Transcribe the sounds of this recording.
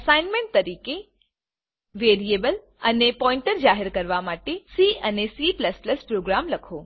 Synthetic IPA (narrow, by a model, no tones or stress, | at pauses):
əsajinmẽɳʈ̚t̪əɾike | ʋeɾiebəl | ənepɔɪ̃ɳʈəɾd͡ʒaɦɪɾkəɾʋamaʈesiənesipləspləspɾoɡɾamləkʰo